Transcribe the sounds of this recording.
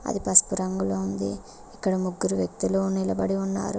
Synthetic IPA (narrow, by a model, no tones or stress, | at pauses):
ɐ̰d̪ipɐspuɾɐŋɡuloːund̪ḭː | kːɐɽɐmuɡːuɾuʋjɐk̚t̪iloːnilɐbɐɽiunːa̰ːɾu